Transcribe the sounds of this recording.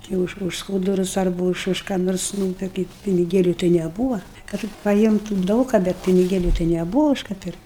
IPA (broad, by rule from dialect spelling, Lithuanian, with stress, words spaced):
jɛʊ ˈʊʃ ʊʃ ˈskuːdʊrʊs ɐrˈbʊ ʊʃ ʊʃ kɑː ˈnoːrs ˈnuː tɐɪ kɐɪp pʲɪnʲɪˈɡʲeːlʲʊ tɐɪ nʲɛˈbuːʋɐ ˈkɐt tʲɪk pɐˈjɪmtʊm ˈdɐʊk kɐ ˈbʲɛt pʲɪnʲɪˈɡʲeːlʲʊ tɐɪ nʲɛˈbʊʋɐ ˈʊʃ kɐ ˈpʲɪrktʲ